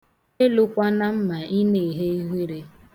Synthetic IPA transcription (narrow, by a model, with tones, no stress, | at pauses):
e˦lʊ˦kʷa˦na˦m̩˦ma˨i˦ne˨i˨ɦe˦i˦ɦʷi˦ɾe˦